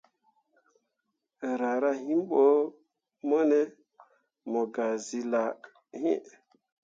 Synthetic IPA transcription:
ɾa˨ɾa˦hĩ˦mɓo˦ | mɔ˦ne˦ | mɔ˨ɡa˨zi˨la˨ | hḭ˦

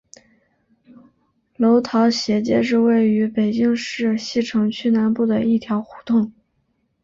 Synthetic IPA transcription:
lo˧˥ʊt̪ʰɑ˧˥ʊɕjɛ˧˥t͡ɕjɛ̰˥ʂ̬ɻ̩˥˧we˥˩ɪy˧˥pe˨˩ɪt͡ɕi˥˧ŋʂɻ̩˥˧ɕi˥˩ʈ͡ʂʰɤ˧˥ŋt͡ɕʰy˥˧na˧˥npu˥˩d̪ə˩i˥˩t̪ʰjɑ˧˥ʊxu̥˧˥t̪ʊ˥˩ŋ

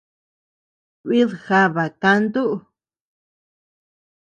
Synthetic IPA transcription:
βi˦ðxa˧βa˨kã˧nd̪u˦ʔ

